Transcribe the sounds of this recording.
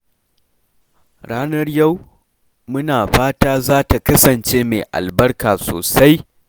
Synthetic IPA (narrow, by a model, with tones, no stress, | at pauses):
ɽaː˦nɐ˦rja˦˨w | mʊ˦naː˨ɸaː˦taː˦zaː˦ta˨kɐ˦sɐ˨nt͡ʃeː˦mḛ˨ʔa̰˨lbɐ˦rkaː˨so̰ː˨sa˦j